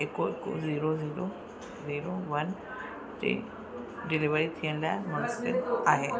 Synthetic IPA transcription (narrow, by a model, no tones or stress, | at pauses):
ekoeko̰ziːɾoziːɾo | ziːɾoʋɐn | tḭ | ɖɪliʋəɾit̪ʰijəñlaemʊnsɪlaːɦeː